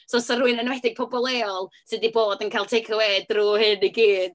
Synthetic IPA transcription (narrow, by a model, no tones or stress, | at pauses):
sɔsɔruːɨnənwɛdɪɡ̚pʰɔbɔlˠeːɔlˠsɨdiboːdənkʰajlˠtʰekʰɔweːdruhɨniɡiːd̥